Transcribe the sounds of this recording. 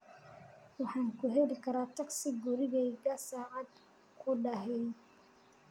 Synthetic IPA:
wɑħɑːŋkʰʊɦɛlɪkʰɐɾaːt̪ʰɐɡsɪɡʊɾɪɣɛjɡɐsaːʔɑd̪ | kʰʊɖɐɦɛj

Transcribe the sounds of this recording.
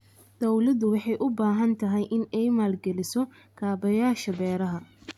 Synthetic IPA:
d̪̥ɔwlɐd̪ʊwɑħɑjʔʊbaːɦɐnt̪ʰɐɦɛjʔɪnɛjmaːlɡɛlɪsɔ | kʰaːbɐjaːʃɐbɛːɾɐɦɐ

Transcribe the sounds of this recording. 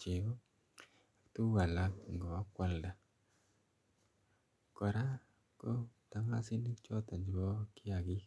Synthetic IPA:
t͡ʃio | ak̚t̪uwalakŋɡɔkwalda | kɔɾa | kɔt̪aŋasinit͡ʃɔt̪aɲd͡ʒwɔkiaɡi

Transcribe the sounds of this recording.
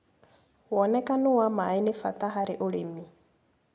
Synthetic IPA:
wɔnɛkʼanuwamainɪfa̰tʼaɦaɾɪʔʊɺemi

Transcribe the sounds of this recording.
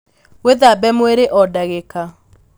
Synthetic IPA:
weðabɛmweɾeʔɔdaɣeka

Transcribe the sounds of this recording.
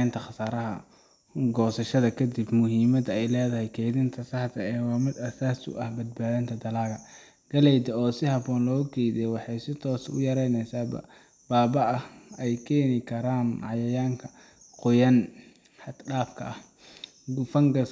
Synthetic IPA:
nt̪ʰɐχɑsaːɾɐɦɐ̰ | ɡɔːsɐʃɐðɐkʰɐd̪ɪbmʊɦiːmɐd̪ɐɛjlɛːðɐɦɛjkʰɛjðɪnt̪ʰɐsɐht̪ʰɐɛːwɑːmɪd̪ɐsaːsʊ̰ʔɐhbɐd̪̚baːðɐnt̪ʰɐd̪ɐlaːɣɐ | ɡ̥ɐlɛjd̪ɐɔːsɪɦɑbɔːnlɔːkʰɛjd̪ɛwɑħɑjsɪt̪ʰɔːsʊ̰jɐɾɛjnɛjsaːbɐ̰ | b̥aːbɐʔɐhɛjkʰɛːnɪkʰɐɾaːnʕɑjɐjaːŋkʰɐ | qʊjɐn | hɐd̪ɖaːfkʰɐ̰ʔɐh | ɡʊfɐŋɡɐ

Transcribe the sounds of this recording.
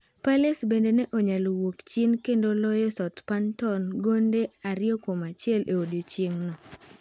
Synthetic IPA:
palesbendenɛʔɔɲalowokt͡ʃinkendolɔjɔsɔtpantɔnɡondeaɾɪɔkomat͡ʃɪɛlʔeodot͡ʃeŋnɔ

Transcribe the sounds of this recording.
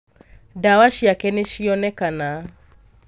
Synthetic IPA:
dawaʃiakɛneʃiɔnɛkana

